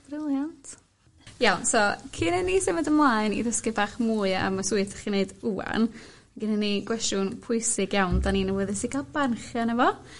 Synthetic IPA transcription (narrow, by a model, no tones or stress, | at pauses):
b̥rɪlˠjantʰ | jawnsɔkʰɨnɛnːisɪmədəmlˠaɨnḭðəskɪbaːχmuːɨə̰masuɨθʰḁχineɨdua̰naɡɪnənːiɡ̥wɛstjʊnpʰʊɨsɪɡjawndaninəwɛðɨsiɡalbanχjanɛvɔ